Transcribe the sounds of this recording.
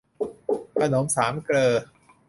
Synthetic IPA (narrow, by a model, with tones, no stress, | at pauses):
kʰa˧no˩˦msaː˩˦mklɤː˧